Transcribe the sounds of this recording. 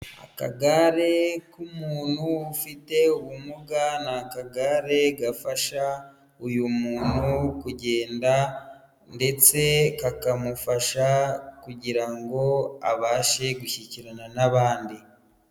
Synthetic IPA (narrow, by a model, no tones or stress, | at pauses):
a̰ka̰ɡaɾe̞kumuːn̥huːfite̞uwumuɡanakaɡaɾe̞ɡafaʃa | ujumuːn̤hukuɟe̞ːnda | nde̞t͡se̞kakamufaʃakuɟiɾaŋɡo̞a̰βaːʃe̞ɡuçiciɾananaβaːndi